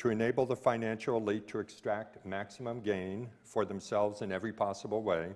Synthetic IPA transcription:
tʰɨɨneɪbl̩ˠðəfãɪ̃næ̃nʃl̩ˠəlitʰəɨkstɹ̥æk̚t̚mæksəmə̃mɡẽɪ̃n | fə˞ðɨ̃msɛlˠvzɨ̃nɛvɹipʰɑsəbl̩ˠweɪ

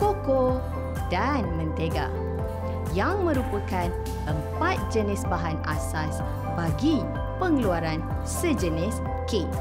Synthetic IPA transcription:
koko | danmə̃nt̪eɡa̰ | jaŋmə̃ɾupəkan | ʔəmpat̪̚d͡ʒənɪsbaɦana̰sas | baɡi | pəŋluaɾan | səd͡ʒənɪs | ke

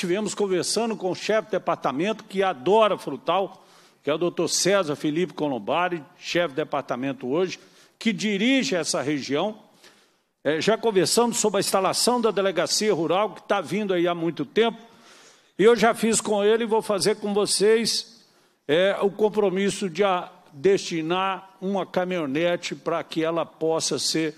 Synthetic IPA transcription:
t͡ʃivẽmʊskõveɾsɐ̃nd̪ʊkõʊʃɛfd̪epaɾt̪amẽnt̪ʊ̥kɪad̪ɔɾɐfɾut̪aw | kɛʊd̪owt̪oɾsɛzɐfilipɪ̥kolõbaɾɪʃɛfɪd̪epaɾt̪amẽnt̪ʊoʒɪ | kɪd͡ʒiɾiʒɪɛsɐɦeʒiɐ̃w̃ | ɛʒakõveɾsɐ̃d̪ʊsobɾɪɐĩst̪alasɐ̃w̃d̪ɐd̪eleɡasiɐɦuɾawkɪ̥t̪avĩnd̪ʊaiamũj̃t̪ʊt̪ẽpʊ̥ | ɪewʒafiskõelɪvowfazeɾkõvosejs | ɛʊkõmpɾomisʊd͡ʒɪa | d̪est͡ʃinaɾũmɐkamionet͡ʃɪpɾɐkɪɛlɐpɔsɐseɾ

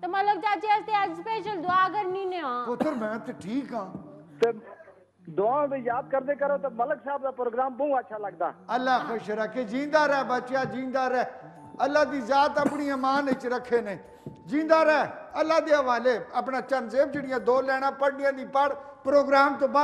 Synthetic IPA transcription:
t̪emələɡ̚t͡ʃaːt͡ʃeəst̪easpeːʃəld̪ʊaːkəɾniːneãːpʊt̪ʰəɾmɛ̃ːt̪eːʈʰiːkãːt̪eː | d̪ʊãːd̪iːjaːd̪̚kəɾd̪eːkəɾoːt̪eːmələksaːb̚d̪aːpɾoːɡɾaːmbəũːətːʃʰaːləɡd̪a̰ːəlːaːxoːʃɾəkʰːeːd͡ʒĩːnd̪aːɾɛːbətːt͡ʃjaːd͡ʒĩːnd̪aːɾɛː | əlːaːd̪iːzaːt̪əpɳiːãːmãːnet͡ʃɾəkʰːeːneː | d͡ʒĩːnd̪aːɾɛːəlːaːd̪eːəʋaːleːəpɳaːt͡ʃənseːb̚d͡ʒeɽɪjãːd̪oːlɛːɽ̃ãːpəɽɖɪjãːd̪iːpəɽpɾoːɡɾaːmt̪õːbə

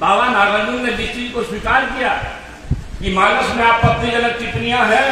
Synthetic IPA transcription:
bʱaːʋaːnaːɡaːnũnẽd͡ʒɪst͡ʃiːzkoswiːkaːɾkijaː | kimaːɾəsmẽaːp̚koɐp̪nĩɐləɡ̚t͡ʃɪʈ̪nijãɦɛː

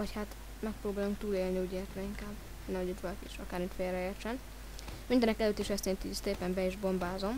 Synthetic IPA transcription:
ɒchat̪ | mɛk̚pɾoːbaːluŋk̚t̪uːleːlniuːɟeːrt̪rɛiŋkaːb | ɛnːɛmhoɟit̪ʋɒlɒkiʃɒkaːɾmit̪feːlrɛeːrt͡ʃɛn | mind̪ɛnɛkɛløːt̪ːiʃɛst̪ent̪ist̪eːpɛmbɛiʒbo̞mbaːzo̞m

